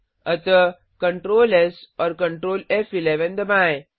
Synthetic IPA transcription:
ət̪ə | kəɳʈɾoːlesɔɾkə̃ɳʈɾoːlefileʋə̃nd̪əmaj

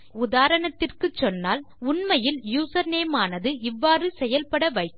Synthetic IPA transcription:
ʊðaːɾɐɳɐt̪ːɪrkɯt͡ʃːɔnːaːl | ʊɳmɐjɪljuːsɐɾneːmaːnɐðɯʔɪʋːaːrɯsɛjɐlpɐɽɐʋɐɪ

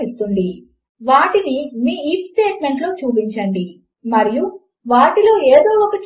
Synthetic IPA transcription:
ist̪unɖ̪i | ʋaːʈinimiːiːpsʈe̞ːʈme̞ɳʈlo̞ːt͡ʃuːp̬iɲt͡ʃɐɳɖi | mɐɾiju | ʋaːʈilo̞ːeːd̪o̞ːɔkɐt͡ʃ

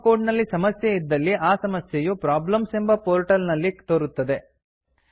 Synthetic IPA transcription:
koːɖnɐlːisɐmɐsjeid̪ːɐlːiʔaːsɐmɐsjejupɾaːblɐmse̞mbɐpoːɾʈɐlnɐlːit̪oːɾut̪ːɐd̪e̞

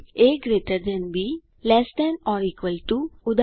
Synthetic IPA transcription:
eːkɡɾeːʈəɾd͡ʒənbʱi | lɛːsʈɛnɔːɾikʋəlʈuʊd̪

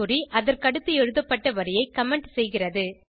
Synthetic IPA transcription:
ʊriʔɐðɐɾkɐɽɯt̪ːɯɛɻɯðɐpːɐʈːɐʋɐɾɪjɐɪkɐmɛɳʈsɛjɣɪrɐðɯ

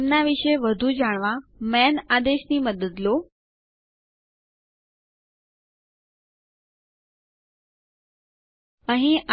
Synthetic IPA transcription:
mnaʋɪʃeʋəd̪ʱud͡ʒaːɽ̃ʋãmɛːnaːd̪eʃniməd̪əd̪lo | əɦĩʔa

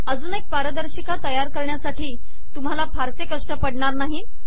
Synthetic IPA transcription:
əd͡zuːnek̚paɾəd̪əɾɕikat̪əjaɾkəɾɳjasaʈiː | t̪um̤alapʰaɾsekəʂʈəpəɽɳaɾnaɦiː

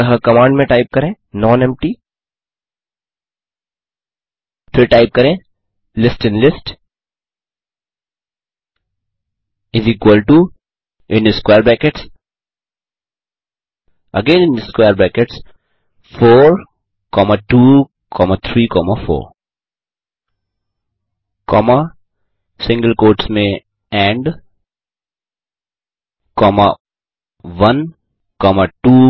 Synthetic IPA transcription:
ɦəkɐmãːɳɖmẽʈaɪp̚kɐɾẽː | nɔ̃ːnɛ̃mʈiː | fʰɪɾʈaɪp̚kɐɾẽː | lɪsʈɪ̃nlɪsʈ | ɪziːkwəlʈu | ɪ̃nd̪iskweːəɾbɛːkeʈs | əɡẽːnɪ̃nd̪iskweːɾbækeʈs | fɔːɾ | kɔmaʈuː | kʰɔmat̪ʰɾiːkɔmafɔ̰ːɾ | kɔma | sɪ̃ŋɡəlkoːʈsmẽ | ɛ̃ɳɖ | kɔma | ʋʌ̃n | kɔmaʈuː

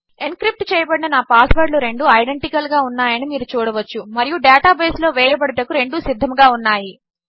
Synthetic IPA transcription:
enkɾip̚ʈt͡ʃɛːjɐbɐɽinɐnaːpaːsʋɐɾɖluɾe̞ɳɖuɐjɖe̞ɳʈikɐlɡaːunːaːjɐnimiːɾut͡ʃuːɽɐʋɐt͡ʃːumɐɾijuɖaːʈaːbɐjslo̞ːʋɛːjɐbɐɽɐʈɐkuɾe̞ɳɖusid̪ʱːɐmɡaːunːaːji

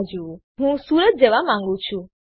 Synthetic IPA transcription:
d͡ʒuɦũsuːɾət̪̚d͡ʒeʋamãŋɡũt͡ʃʰu

